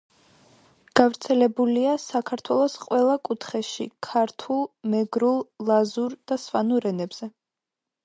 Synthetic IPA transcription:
ɡ̥avɾt̪sʰɛlɛbuliasakʰaɾt̪ʰwɛlˠɔsqʼwɛlˠakʼut̪ʰχɛʃḭkʰaɾt̪ʰulˠmɛɡɾulˠlazuɾd̪̥aswanuɾɛnɛbz̥ɛ

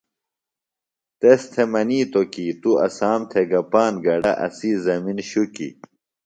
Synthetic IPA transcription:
t̪est̪ʰemɐniːt̪okit̪uɐ̰saːmt̪ʰeɡɐpaːnɡɐɖɐʔɐ̰sizɐminɕukḭ

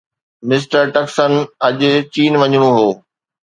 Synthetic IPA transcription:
mɪs̬ʈəɾʈɐksənɐʄʊ̆t͡ɕiːnʋɐɲũɦoː

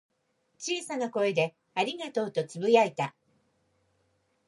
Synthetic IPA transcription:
t͡ɕiːsanako̞e̞d̪e̞ | aɾʲiɡat̪o̞ːt̪o̞t͡sɨbɯ̟jait̪a

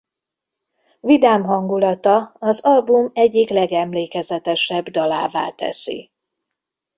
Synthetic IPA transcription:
vid̪aːmɦɒŋɡulɒt̪ɒːzɒlbumɛɟːiklɛɡɛmleːkɛzɛt̪ɛʃɛbd̪ɒlaːva̰ːt̪ɛ̰sḭ

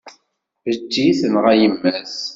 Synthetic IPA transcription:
vəd͡ʒːiθənʁæjəmːæs

